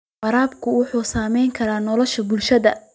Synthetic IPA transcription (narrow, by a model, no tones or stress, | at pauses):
fɐɾaːbkʰʊwʊħuːsaːmɛjŋkʰɐɾaːnɔlɔʃɐbʊlʃɐðɐ̰